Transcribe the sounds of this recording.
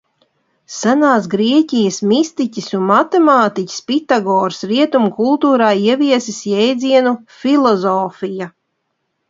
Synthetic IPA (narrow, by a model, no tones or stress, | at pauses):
sanaːs̬ɡɾiɛcʲijəsmist̪icʲisunmat̪ɛmaːt̪icʲi̥spit̪aɡɔːɾsɾiɛt̪umukulˠt̪uːɾaːiɛvʲiɛsisjɛjd̪ziɛnufilˠɔzɔːfija